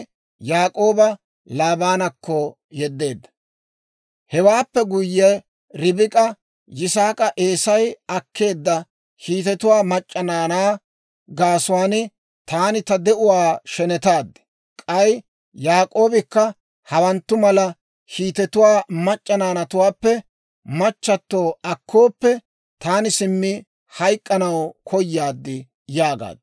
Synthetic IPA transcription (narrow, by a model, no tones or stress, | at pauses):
jaːkʼo̞ːbɐ | laːbaːnɐkːɔ | jɛd̪ːe̞ːd̪ːɐ | hɛwaːpːɛɡʊjːɛ | ɾɪbɪkʼɐ | jɪsaːkʼɐʔe̞ːsɐjɐkːe̞ːd̪ːɐ | kiːt̪ɛt̪ʊwaːmɐt͡ʃʼːɐnaːnaː | ɡaːsʊwaːnɪ | t̪aːnɪt̪ɐd̪ɛʔʊwaːʃɛnɛt̪aːd̪ːɪ̥ | kʼɐj | jaːkʼo̞ːbɪkːɐ | hɐwɐnt̪ːʊmɐlɐ | hiːt̪ɛt̪ʊwaːmɐt͡ʃʼːɐnaːnɐt̪ʊwaːpːɛ | mɐt͡ʃːɐt̪ːo̞ːɐkʰːo̞ːpːɛ | t̪aːnɪsɪmːɪ | hɐjkʼːɐnɐwkʰɔjːaːd̪ːɪ | jaːɡa̰ːd̪